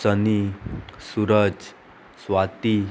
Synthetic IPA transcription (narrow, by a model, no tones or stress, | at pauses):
sənisuɾəd͡z | sʋat̪i